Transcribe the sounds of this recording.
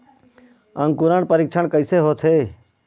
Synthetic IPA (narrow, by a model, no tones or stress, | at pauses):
ə̃ŋkuɾaɳpəɾɪk̚t͡ʃʰəɳkəɪseːɦoːt̪ʰeː